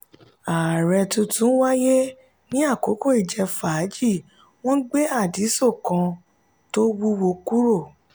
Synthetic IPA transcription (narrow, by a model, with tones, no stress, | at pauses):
a˨ɾɛ˧tũ˧tũ˦wa˦je˦ | nĩ˦a˦˨ko˨˦ko˦˨i˨d͡ʒɛ˧faː˨˦d͡ʒi˦˨ | w̃ɔ̃˦ɡ͡be˦a˦˨di˨˦so˦˨kã˧ | to˦wu˦wo˧ku˦ɾo˦˨